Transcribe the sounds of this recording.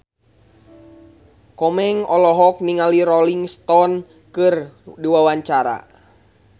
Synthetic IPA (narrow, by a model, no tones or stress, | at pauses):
kɔmɛŋɔlɔɦɔk̚niŋaliɾɔliŋst̪ɔn | kɨrdiwawaɲt͡ʃaɾa̰